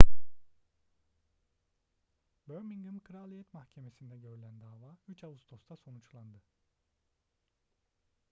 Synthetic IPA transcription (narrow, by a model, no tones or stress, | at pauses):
bøɾmiŋɡɯnkʰɯɾalʲˠijɛt̪mahcʰe̞me̞sind̪ɛɟø̞ɾylʲænd̪aːvaːyt͡ʃavust̪ʰo̞st̪ʰaso̞nut͡ʃlˠand̪ɯ